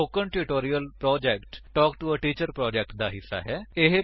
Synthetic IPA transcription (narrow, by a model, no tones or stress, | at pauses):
oːkəɳʈɪʈoːɾijəlpɾɔːd͡ʒɛːkʈːɔːkʈuəʈiːt͡ʃəɾpɾɔːd͡ʒɛːk̚ʈ̚d̪aːɦɪsːa̰ːɦɛːɪɦ